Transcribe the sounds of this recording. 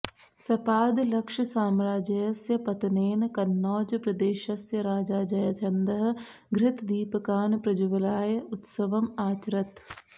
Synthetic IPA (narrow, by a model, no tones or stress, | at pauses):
sɐpaːd̪lɐkʃəsaːmɾaːd͡ʒɐjɐsjɐpɐt̪neːnkɐnːɔːd͡ʒpɾɐd̪eːʃɐsjɐɾaːd͡ʒaːd͡ʒɐjɐt͡ʃ̪ʰɐnd̪ɐɦɐ̆ | ɡɾɪt̪d̪iːpəkaːnpɾɐd͡ʒuʋlaːjʊt̪sɐʋɐmaːt͡ʃɾɐt̪